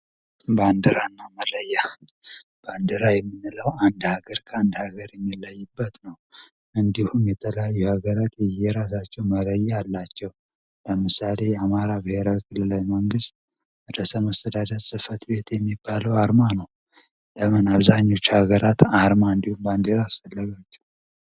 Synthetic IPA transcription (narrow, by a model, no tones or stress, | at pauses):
band̪əɾanːamələjːa | b̥and̪əɾajɛmːɨnːɨləwand̪haɡəɾkʰəand̪haɡəɾjɛmːilːəjːɪbːət̪nəw | ʔɨnd̪ihumjɛt̪ʰələjajːuhaɡəɾat̪jɛjɛɾasat͡ʃːɛwmələjːaalːat͡ʃːɛw | ləmɨsale̞jɛamaɾabihe̞ɾawikʰɨlːɨlawjiməŋɡɨst̪̚ | d̪əsəmast̪ʰəd̪ad̪əɾsʼɨfət̪be̞t̪jɛmːibːaləwaɾmanəw | ləmənaβzaɲːo̞t͡ʃːhaɡəɾat̪aɾmaɨnd̪ihumband̪eɾaːsfəlːəɡat͡ʃːɛ̥w